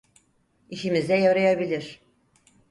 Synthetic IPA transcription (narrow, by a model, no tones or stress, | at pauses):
iʃimizd̪ɛjaɾɑjabilʲiɾ̥